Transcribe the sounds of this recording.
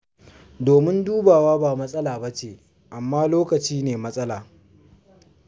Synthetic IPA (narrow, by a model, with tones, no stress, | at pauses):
doː˨mɪ˦nduː˦baː˨waː˦baː˨mɐ˦sʼɐ˦laː˨bɐ˦t͡ʃeː˨ | ʔa˨mːaː˦loː˦kɐ˨t͡ʃiː˦neː˨mɐ˦sʼɐ˦laː˨